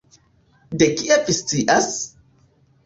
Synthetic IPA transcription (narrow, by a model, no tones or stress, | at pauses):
dekiʔefist͡siʔas